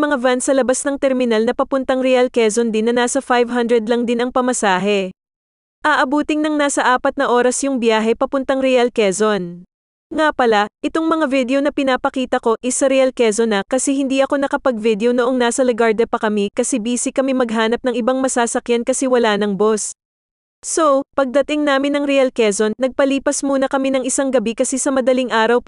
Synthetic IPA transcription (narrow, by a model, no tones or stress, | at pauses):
mɐŋavansɐlɐbasnɐŋt̪ɛɾmɪnalnɐpɐpʊnt̪ɐŋɾɛalkɛzond̪ɪnːɐnaːsɐfajvɦɐnd̪ɾɛd̪lɐŋd̪ɪnʔɐŋpɐmɐsaːɦɛ | ʔɐʔɐbuːt̪ɪŋnɐŋnaːsɐʔaːpɐt̪nɐʔo̞ːɾɐsjʊŋbjaːɦɛpɐpʊnt̪ɐŋɾɛɐlkɛzon | ŋapɐlaʔɪt̪o̞ŋmɐŋavid̪ɛonɐpɪnaːpɐkiːt̪ɐko̞ʔɪsɐɾɛɐlkɛzonɐkɐsɛhɪnd̪iʔɐko̞nɐkɐpɐɡ̚vid̪jonoʔo̞ŋnaːsɐlɪɡaɹd̪ɛpɐkɐmikɐsɛbiːsɪkɐmimɐɡɦaːnɐp̚nɐŋʔɪbaŋmɐsaːsɐkjankɐsɛwɐlanɐŋbo̞s | sowpɐɡ̚d̪ɐt̪ɪŋnaːmɪnɐŋɾɛʔɐlkɛzo̞nːɐɡ̚pɐliːpɐsmuːnɐkɐminɐŋʔɪsaŋɡɐbikɐsɛsɐmɐd̪ɐliŋʔaːɾɐw